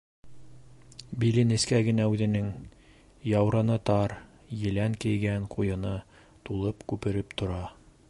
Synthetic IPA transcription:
bilɘnɘ̆skæɡɘ̆næʉðɘ̆nɘŋ | jɑwɾɑnɤt̪ɑɾ | jɘ̆læŋkɘ̆jɡæŋqʰujɤ̆nɤ | t̪ulˠɤpkʉpɘ̆ɾɘpt̪ŏɾɑ

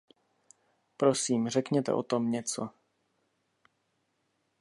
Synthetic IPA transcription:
pɾosiːmr̝ɛkɲɛt̪ɛ̰ʔo̰t̪o̞mɲɛt͡so

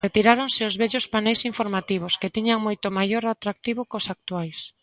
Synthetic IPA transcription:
ret̪iɾaɾoŋsɪʊzβɛʎʊspanɛjsiɱfoɾmat̪iβ̞ʊskɪt̪iɲaŋmojt̪ʊmajoɾat̪ɾak̚t̪iβokʊsak̚t̪uajs

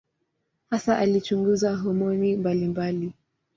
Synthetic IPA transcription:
hasaʔalit͡ʃuŋɡuzaɦɔmɔnimbalimbali

